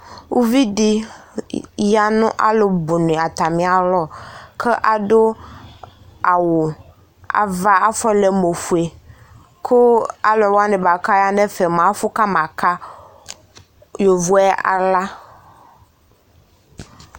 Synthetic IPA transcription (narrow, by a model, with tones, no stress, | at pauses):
wʔu˦vi˦ɖi˦ | ja˦nʊ̃˦ʔa̰˦lo˨bo˨nẽ˨a˨t̪a˨mĩ˨a˨lɔ˦kʰe˦ʔa˨ɖo˦ | a˨wo˨ | a̰˨va˦a˦fɔ˦le˨mo˨fu˨e˨ | kʰo˦a̰˦lɔ˨wa˦nɛ̃˨ba˨ka˦ja˦nɛ˦fe˨mã˨˦fʊ˦ka˦mã˨ka˦ | jo˨vo˦ɛ˦a̰˨la˦